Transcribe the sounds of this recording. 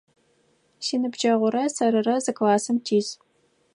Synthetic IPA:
siːnɨbd͡ʒɐʁʷʊɾɐsɐɾɨrɐzɨklaːsɨmtʰiːz

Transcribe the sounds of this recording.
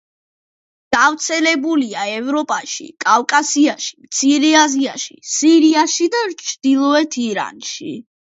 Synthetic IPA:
ɡ̥avt̪sʰɛlɛbuliaɛvɾɔpʼaʃḭkʼavkʼasiaʃimt̪sʰiɾɛaziaʃḭsiɾiaʃid̪at͡ʃʰd̪̥ilˠɔɛt̪ʰiɾa̰nʃi

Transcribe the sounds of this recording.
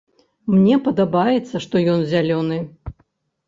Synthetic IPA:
mnʲɛpɐd̪abajɛt̪sːɐʂt̪ɔjɔnzʲalʲɔnɨ

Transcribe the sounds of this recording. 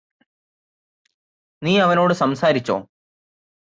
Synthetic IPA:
niːɐʋɐno̞ːɽɨsɐmsaːɾit͡ɕːo̰ː

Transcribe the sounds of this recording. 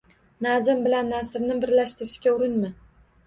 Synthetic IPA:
nazɪmbɪlanːasɪɾnɪbɪɾlaʃt̪ɪɾɪʃkʲaʊɾɪnmɪ

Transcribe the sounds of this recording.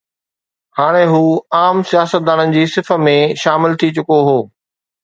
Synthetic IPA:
haːɽ̃eɦuːaːmsijaːsət̪̚d̪aːnənɪ̆d͡ʑiːsɪfə̆mẽʃaːmɪlt̪ʰit͡ɕʊkoɦoː

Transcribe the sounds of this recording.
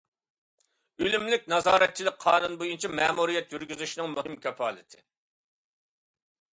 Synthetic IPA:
ylymlɪk̚ʲnɑzɑːɾɛt̪̚t͡ʃʰːilɪk̚ʲqʰɑːnunbojunt͡ʃʰɑmɛːmuɾijɛt̪jyɾɡʲyzyʃnɪŋmuɦɪmkʲʰɛpɑːlˠɪt̪ʰɪ̥

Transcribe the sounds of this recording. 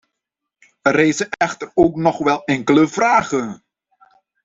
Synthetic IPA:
əreːzəʔɛxtəroːknɔχʋɛlˠɛŋkələv̥raːɣə

